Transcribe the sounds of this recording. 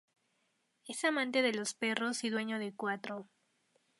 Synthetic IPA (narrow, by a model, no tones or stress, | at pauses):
e̞samãnt̪e̞ðe̞lo̞spe̞ro̞siðwe̞ɲo̞ðekwat̪ɾo